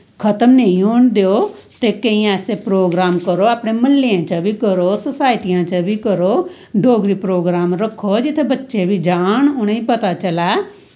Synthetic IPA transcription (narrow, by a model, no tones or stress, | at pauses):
kʰət̪əmnə̃ĩoːnd̪eoː | t̪ekə̃ĩaːsepɾoːɡɾaːmkəɾoaːpɽ̃eməlːiãːt͡ʃãbʱikəɾoːsosaːɪʈijãːt͡ʃabʱikəɾoː | ɖʱoːɡɾipɾoːɡɾaːmɾəkʰːod͡ʒɪt̪ʰebətːʃebʱid͡ʒaːɳ̃ʊɽ̃ĩpət̪at͡ʃəlaː